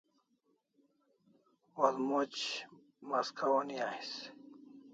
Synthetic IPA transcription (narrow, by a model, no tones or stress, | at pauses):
walmot͡ɕ | maskʰawniais